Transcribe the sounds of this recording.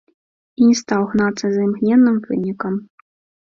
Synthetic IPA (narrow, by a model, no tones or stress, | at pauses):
inʲɛst̪awɣnat̪sːɐzɐjmɣnʲɛnːɨmvɨnʲikɐm